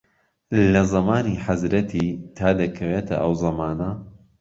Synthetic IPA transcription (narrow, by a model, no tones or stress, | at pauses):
lɐzɐmaːniːħazɾɐt̪ʰit̪ʰaːd̪ɐkʰɐweːt̪ʰɐ̰ʔɐwzɐmaːnɐ